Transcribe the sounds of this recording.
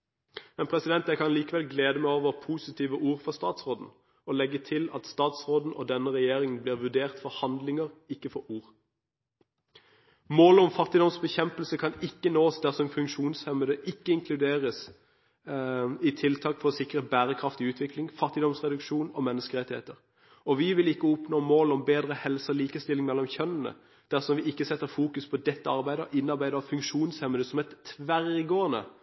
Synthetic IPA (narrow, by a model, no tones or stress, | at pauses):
mɛnpʰʁɛsɪd̪ɛnt̪ækɑnliːkəʋɛlɡleːd̪əmɛoːʋəʁpʰuːsɪt̪ʰiːʋəʔuːʁfɔst̪ɑːt̪sʁoːd̪n̩ | ɔlɛɡːət̪ʰɪlɑt̪st̪ɑːt̪sʁoːd̪n̩ʔɔ̰d̪ɛnːəʁɛjeːɾɪŋənbliːʁʋʉʁd̪eːʁt̪fɔʁhɑnd̪lɪŋəʁɪkːəfɔɾuːʁ | moːlɔmfɑt̪ɪd̪ɔmsbɛçɛmpəlsəkʰɑnɪkːənoːsd̪æʁsɔmɛnfʉŋkʃuːnshɛməd̪əʔɪkːəɪŋkʰlʉd̪eːʁəs | ɪt̪ʰɪlt̪ʰɑːkfɔʁɔsɪkʁəbæːʁəkʰʁɑft̪ɪʉːt̪ʰʋɪklɪŋfɑt̪ːɪd̪ɔmsʁɛd̪ʉkʂuːnɔmɛnːəskəʁɛt̪ːɪhḛːt̪əʁ | ɔʋɪʋɪlɪkːəʊpnoːmoːlɔmbeːd̪ʁəhɛlsəɔliːkəst̪ɪlɪŋmɛlːɔmçœnːənə̰ | d̪̥æʁsɔmʋɪɪkːəsɛt̪ːəfuːkʉspʰɔd̪ɛt̪ːəɑʁbæɪd̪əɔʔɪnːɑʁbæɪd̪əɑfʉŋkʃuːnshɛməd̪əsɔmɛt̪ʰːʋæʁɪɡoːənə̰